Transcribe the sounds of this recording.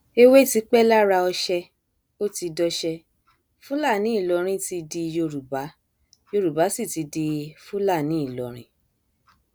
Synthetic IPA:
e˦we˦˨ti˨˦k͡pɛ˦la˦ɾa˧ɔ˧ʃɛ˧ | o˦ti˧dɔ˧ʃɛ˧ | fũ˦la˦˨nĩ˨˦i˦˨lɔ˧ɾ̃ĩ˧ti˧di˧jo˧ɾu˨ba˨˦ | jo˧ɾu˨ba˨˦si˦˨ti˨˧di˧fũ˦la˦˨nĩ˨˦i˦˨lɔ˧ɾ̃ĩ˧˦

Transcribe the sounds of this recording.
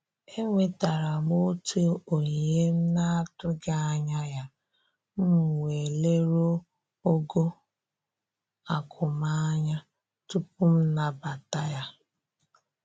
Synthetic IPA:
e˦ŋʷe˨ta˨ɾa˨mo˦tu˦o˦o˨ɲ˨e˦m̩˦na˦a˦tʊ˦ɡa˦a˦ɲa˦ja˦ | m̩˦˨we˨le˦ɾo˦ | o˦ɡo˦ | a˨kʰʊ˨ma˦ɲa˦ | tu˦pʊ˦m̩˦na˨ba˨ta˦ja˦

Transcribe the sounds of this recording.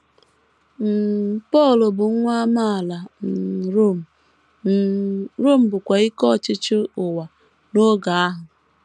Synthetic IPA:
m̩˨pɔ˦˨lʊ˨bʊ˨ŋ˦ŋʷa˦ma˦a˨la˨n̩˨ɾo˦˨m˨ | ɾo˦˨m̩˨bʊ˨kʷa˨i˦kɔ˦˨t͡ʃɪ˦t͡ʃʊ˦ʊ˨wa˨ | no˦ɡa˨a˦ɦʊ˨

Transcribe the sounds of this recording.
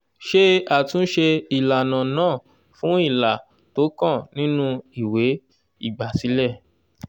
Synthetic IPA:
ʃe˦a˨tũ˨˦ʃe˧i˨la˨nã˨nãː˦˨ | fũ˨˦i˦˨la˨ | to˨˦kã˦˨nĩ˦nũ˧i˦˨we˨˦ | i˦˨ɡ͡ba˨si˨˦lɛ˦˨

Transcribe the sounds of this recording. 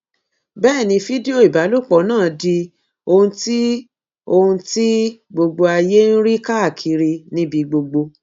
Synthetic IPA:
bɛː˦˨nĩ˧fi˦di˦o˨i˨ba˨˦lu˦˨k͡pɔ˨˦nãː˦˨di˧ | o˧hũ˧ti˦ | o˧hũ˧ti˦ɡ͡bo˧ɡ͡bo˧a˧je˦n̩˦ɾi˦ka˦a˦˨kʰi˧ɾi˧nĩ˦bi˧ɡ͡bo˧ɡ͡bo˧

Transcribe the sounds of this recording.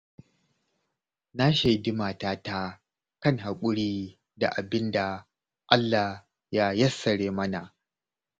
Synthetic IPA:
na˦ʃa˨jdɪ˦maː˨taː˦ta˦ | kɐ˦˨ŋɦa˨kʷʼʊ˦ɽiː˦ | da̰˨ʔa˨bɪ˦nda˨ | ʔa˦lːa˨ | ja˦jɐ˦sːɐ˨ɽeː˦mɐ˦na˨ʔ

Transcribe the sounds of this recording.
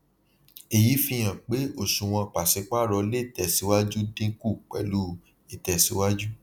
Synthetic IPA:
e˨ji˨˦fĩ˧j̃ã˨k͡pe˨˦o˨ʃũ˨w̃ɔ̃˧k͡pa˨se˨˧˦k͡pa˦ɾɔ˧˦le˦i˨˦˨tɛ˨si˨˧˦wa˦d͡ʒu˦dĩ˦ku˦˨k͡pɛ̰˨lu˦ | i˨tɛ˨si˨˦wa˦d͡ʒu˦

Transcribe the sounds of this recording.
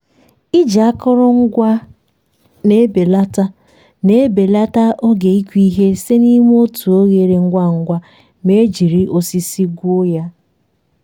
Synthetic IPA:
i˦d͡ʒa˨a˦kʊ˦ɾʊ˦ŋ̩˦ɡʷa˦ | ne˦be˨la˦ta˦ | ne˦be˨la˦ta˦ʔo˦ɡe˨i˦kʷi˦ɦe˦se˦ni˦m˦o˦tu˨o˦ɣe˨ɾe˨ŋ̩˦ɡʷa˦ŋ̩˦ɡʷa˦ | me˦d͡ʒi˨ɾi˦ʔo˦si˦si˦ɡʷo˦ja˦

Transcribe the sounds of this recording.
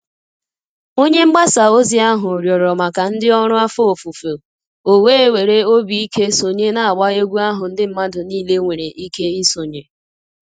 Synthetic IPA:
o˦ɲe˦ŋ͡m̩˦ɡ͡ba˦sa˨o˦zi˦a˦ɦʊ˨ɾjɔ˨ɾɔ˨ma˨ka˨n̩˦dɪ˦ɔ˦ɾʊ˦a˦fo˦o˨fu˨fo˨ | o˨we˦e˦we˨ɾe˦o˦bi˨i˦ke˦so˨ɲe˦na˨a˨ɡ͡ba˦e˦ɡʷu˦a˦ɦʊ˨n̩˦dɪ˦m̩˦ma˦dʊ˨niː˦le˦ŋʷe˨ɾe˨ʔi˦ke˦i˦so˨ɲe˨

